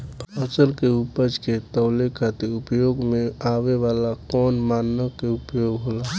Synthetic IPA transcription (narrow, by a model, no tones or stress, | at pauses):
əsəlkeupəd͡ʒket̪əʊlekʰat̪iɾupjoɡmeaʋeʋalakɔːnmanːəkeupjoɡɦola